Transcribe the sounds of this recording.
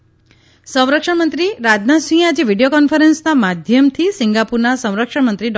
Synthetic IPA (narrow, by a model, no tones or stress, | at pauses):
sə̃w̃ɾəkʂəɳmənt̪ɾiɾad̪nasĩad͡ʒeʋiɖijokɔnfʰəɾensnamad̪ʱjəmt̪ʰisiŋɡapuɾnasə̃w̃ɾəkʂəɳmənt̪ɾiɖ